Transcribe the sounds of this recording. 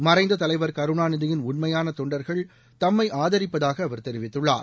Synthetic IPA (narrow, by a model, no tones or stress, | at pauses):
mɐrɐɪnd̪ɐt̪ɐlɐɪʋɐɾkɐɾɯɳaːnɪðɐjɪnʊɳmɐjaːnɐt̪ɔɳɖɐɾɣɐɭ | t̪ɐmːɐɪʔaːðɐɾɪpːɐðaːɣɐːʋɐɾt̪ɛɾɪʋɪt̪ːɯɭːa̰ːɾ